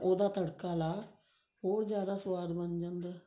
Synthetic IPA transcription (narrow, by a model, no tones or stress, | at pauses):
oːd̪aːt̪ɐɽkːaːlaː | oːɾd͡ʒjaːd̪aːsʋaːd̪bɐɲd͡ʒɐnd̪ɨ